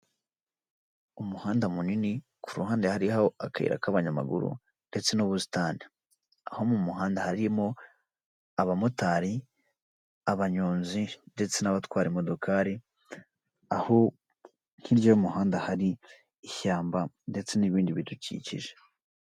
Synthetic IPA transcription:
umuhaːndamunini | kʰuɾuhaːndehaɾihaoakaḭɾa̰kaβaɲama̰ɡṵɾṵ | nde̞t͡se̞nuβusi̥taːni | ahomumuhaːndahaɾijemo̞ | aβamutaːɾi | aβaɲoːnzinde̞t͡se̞naβatwaːɾimo̞do̞kʰaːɾi | aho | n̥hiɾɟojoumuhaːndahaɾiː | çaːmba | nde̞t͡se̞niβiːndiβitucḭcḭʒe

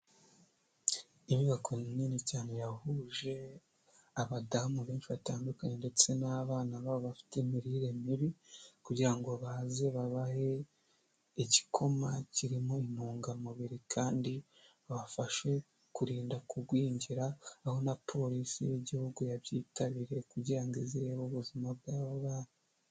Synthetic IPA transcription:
imiβakʰo̞nninicaːne̞jahuʒe̞ | aβadamuβeːnt͡ʃiβataːndukaɲende̞t͡se̞naβaːnaβaβo̞βafi̥temiɾiɾe̞miβikuɟiɾaŋɡo̞βaze̞βaβahe̞ | iɟi̥kʰo̞maciɾimoin̥uːŋɡamuβiɾikʰaːndi | aβafaʃe̞ | kuɾiːndakuɡwiːɲɟiɾaːho̞napʰo̞ɾisḭβeɟihuɡujaβjiːtʰaβiɾe̞kuɟiɾaŋɡeziɾeβoβuzimabɡaːβoβaːna

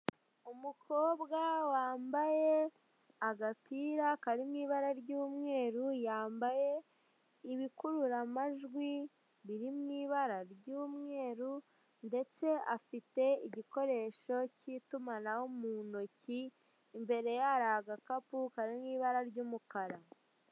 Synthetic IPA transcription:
umukʰobɡawaːmbaje̞ | aɡapiːɾakaɾimŋiːβaɾaɾɟuːmŋe̞ːɾujaːmbaje̞ | iβikuɾuɾamaʒɡwi | βiɾimŋiːβaɾaɾɟuːmŋe̞ːɾu | nde̞t͡se̞afite̞iɟiko̞ɾe̞ːʃo̞citumanawomunociː | mbe̞ɾe̞jaɾaɡakapukaɾimŋiːβaɾaɾɟuːmukaɾa

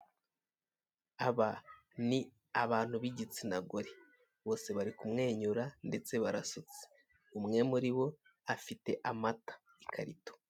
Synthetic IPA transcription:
aβa | ni | aβaːn̥huβiɟit͡sinaɡoɾe | βo̞ːse̞βaɾikumŋe̞ːɲuɾande̞t͡se̞βaɾasut͡se̥ | umŋe̞muɾiβo̞ | afite̞ʔamatḁ | ikʰaɾito̥

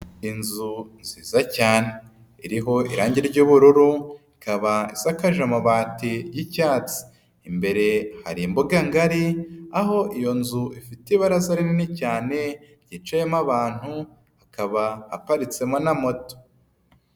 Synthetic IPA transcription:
inzunziːzacaːne | iɾiɦo̞ḭɾaːɲɟiɾɟuːβuɾuɾuikaβaisakaʒamoβaːtijicaːt͡si̥ː | mbe̞ɾe̞ha̰ɾimboɡaŋɡaɾiaɦo̞ʔijo̞nzuʔifiteβaɾazaɾininicaːne̞ | ɟ̥it͡ʃejemaβaːn̥hu | hakaβaa̰paɾit͡se̞mo̞namo̞to̥

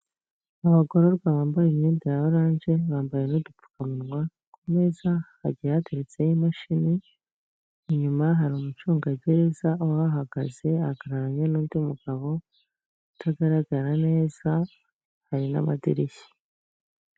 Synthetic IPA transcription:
aβaɡoɾoɾɡwaβaːmbajemɲeːndijaβaɾaːnʒe̞βaːmbaje̞nudup͡fu̥kamunwa | komezahaɟihateɾet͡sejimaʃini | ɲumaɦaɾimut͡ʃuːŋɡaɟe̞ɾe̞zaʔowaβaɦaɡaze̞aɡaɾaɾaɲenuːndimuɡaβo̞ | atʰaɡaɾaɡaɾane̞ːz̥a | haɾina̰ma̰dḭɾiçi̥

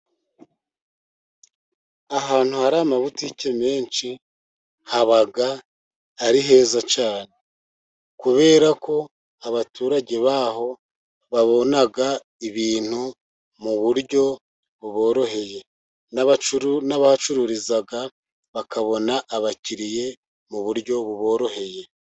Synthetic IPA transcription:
aɦaːn̥huhaɾaːmaβuticeme̞ːnt͡ʃi | haβaɡaː | ɾiɦe̞ːzat͡ʃaːne̞ | kuβe̞ːɾako̞ | aβatuːɾaɟe̞βaːɦo̞ | βaβo̞naɡa | iβiːn̥hu | muβuɾɟo̞ | βuβo̞ːɾo̞he̞je̞ | naβaunaβahat͡ʃuɾuɾizaɡa | βakaβo̞naʔːβaciɾije̞ | muβuɾɟo̞βuβo̞ːɾo̞he̞je̞

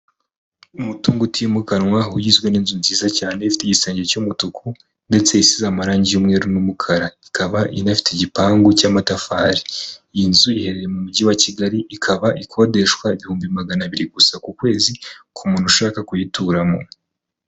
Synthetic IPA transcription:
umutuːŋɡutimukanwaujizɡwe̞niːnzunziːzacaːne̞ifi̥teɟiseːɲɟe̞cumutukʰu | nde̞t͡seisizamaɾaːɲɟijumŋe̞ːɾunumukʰaɾaikʰaβaʔinafi̥teɟipaːŋɡucaːmatafaːɾiinzuihe̞ɾe̞je̞mumuɟiwaciɡaɾiʔikʰaβaʔikʰo̞ːde̞ʃkwaiβihuːmbimaɡanaβiɾiɡusakukwe̞ːzikʰumuːn̥huʃaːkakujituɾamo̞̰

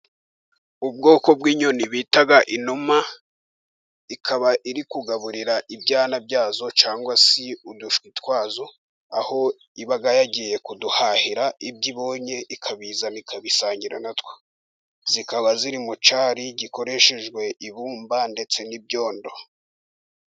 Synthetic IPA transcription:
ub̚ɡo̞ːko̞bɡiːɲoniβitaɡaʔinuma | ikʰaβaʔiɾikuɡaβuɾiɾaʔibɟaːnabɟaːzo̞t͡ʃaːŋɡwasiuduʃwitwaːzo̞ | aho̞ | iβaɡajaɟije̞kuduhaːhiɾaʔibɟiβo̞ːɲe̞ʔikʰaβizanikʰaβisaːɲɟiɾa̰natwe̥ | z̥ikaβaziɾimut͡ʃaːɾiɟiko̞ɾe̞ʃe̞ʒɡwe̞ʔiβuːmbande̞t͡se̞nib̚ɟo̞ːndo̞

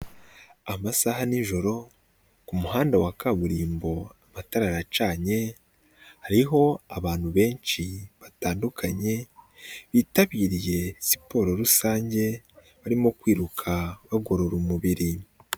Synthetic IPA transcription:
amasahaniʒo̞ɾo̞ | kumuhaːndawakaβuɾiːmbo̞amataɾaɾat͡ʃaːɲe̞ | haɾiɦo̞aβaːn̥huβe̞ːnʃiβataːndukʰaɲe̞ | βiːtaβiːɾije̞si̥po̞ːɾo̞ɾusaːɲɟe̞ | βaɾimo̞kwiːɾukʰaβaɡo̞ɾo̞ɾumuβiɾi

